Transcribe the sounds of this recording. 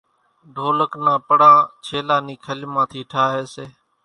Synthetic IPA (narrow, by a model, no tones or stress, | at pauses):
ɖʱoːləknãːpəɽãːt͡ʃʰeːlaːniːkʰəlmãːt̪ʰiːʈʰaːɦeːseː